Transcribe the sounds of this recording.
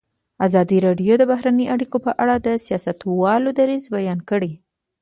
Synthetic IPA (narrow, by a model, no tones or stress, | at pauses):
azɑd̪iɾɑɖjod̪əbaɦɾanəjʔaɽikopəʔaɽad̪əsijɑsat̪wɑlod̪aɾizbajɑnkəɽi